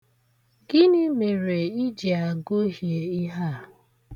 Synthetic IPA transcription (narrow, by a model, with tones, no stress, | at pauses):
ɡɪ˦nɪ˦me˨ɾe˨i˦d͡ʒi˨a˨ɡo˦ɦje˨i˦ɦa˦˨